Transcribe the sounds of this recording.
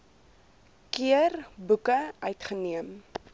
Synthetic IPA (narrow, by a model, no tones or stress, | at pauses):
kiərbukəœɥtχəniəm